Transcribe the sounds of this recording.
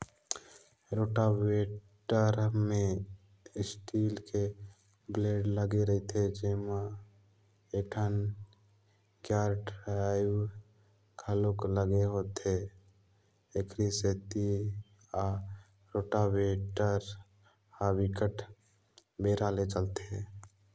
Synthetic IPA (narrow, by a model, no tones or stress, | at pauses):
ɾoːʈaweʈəɾmẽ | ɪsʈiːlke | bleːɖləɡeɾəɦit̪ʰed͡ʒema | eʈʰən | kjaːɾɖɾaɪw | kʰəlokləɡeɦoːt̪e | ekɾiseːt̪i | a | ɾoːʈaweːʈəɾ | habikəʈʰ | beːɾaːlet͡ʃəlt̪eɛ̃ː